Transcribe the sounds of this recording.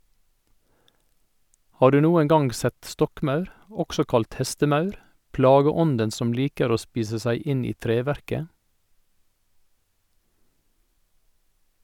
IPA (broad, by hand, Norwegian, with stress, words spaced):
ˈhɑː ˈɖʉː ˈnuːəŋ ˈɡɑŋɡ ˈsɛt ˈstɔkˌmɑʉɾ ˈɔksɔ ˈkɑlt ˈhɛstəˌmɑʉɾ ˈplɑːɡəˌɔndən ˈsɔm ˈliːkəɾ ˈoː ˈspiːsə ˈsæɪ ˈɪn ˈiː ˈtɾeːˌʋæɾkə